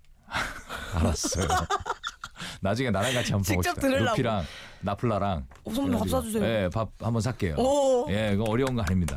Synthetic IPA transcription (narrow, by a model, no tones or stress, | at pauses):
aɾas͈ʌjo | nad͡ʑuŋe̞nanaɡat͡ɕʰiampʰioʌtt͈ɯɾɯopʰiɾaŋnapʰuɭːaɾaŋ | sas͈ad͡ʑusʰee̞pap̚hambʌnsʰak͈e̞jo̰je̞ɡʌʌɾjʌunɡʌaɲimɲida